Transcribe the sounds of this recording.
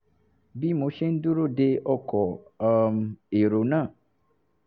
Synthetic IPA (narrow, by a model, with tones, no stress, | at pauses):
bi˦mõ˨˦ʃẽ˦n̩˦du˦ɾo˦˨de˦ʔɔ˦kɔ˨me˨ɾo˨nã˦˨